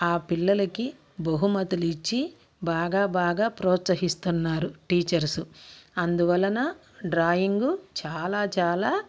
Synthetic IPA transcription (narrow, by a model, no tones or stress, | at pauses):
aːpilːɐlɐki | bɐɦumɐt̪ulit͡ʃːi | baːɡaːbaːɡaːpɾɔːt̪sɐɦist̪unːaːɾuʈiːt͡ʃɐɾsuɐnd̪uʋɐlːɐnɐ | ɖɾaːjiŋɡut͡ʃaːlaːt͡ʃaːlaː